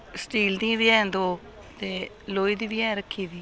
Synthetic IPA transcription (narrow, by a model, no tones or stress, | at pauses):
sʈiːld̪ĩʋɪɛ̃ːnd̪oː | t̪eː | loːiːd̪iːbiːɛ̃ːɾəkʰːiːʋiː